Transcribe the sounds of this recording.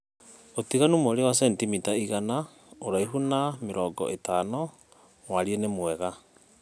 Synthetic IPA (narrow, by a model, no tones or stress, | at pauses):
otiɣanumoːɾewas̬ɛntimitaiɣana | oɾaiɦunameɾɔːɡɔ̰ʔetaːnɔ | waɾienemwɛɣa